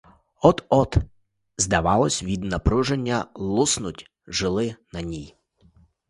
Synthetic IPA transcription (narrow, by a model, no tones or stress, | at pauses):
ɔt̪ɔt̪ | zd̪ɐʋɑlˠɔsʲʋʲid̪nɐpɾuʒenʲːɐlˠusnʊtʲ | ʒɪlˠɪnɐnʲij